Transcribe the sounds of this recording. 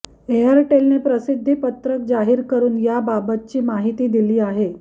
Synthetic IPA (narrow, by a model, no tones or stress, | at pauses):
eəɾʈelnepɾəsid̪ʱːipət̪ɾək̚d͡zaɦiːɾkəɾuːnjababət̪̚t͡ɕiːmaɦit̪iːd̪iliːaɦe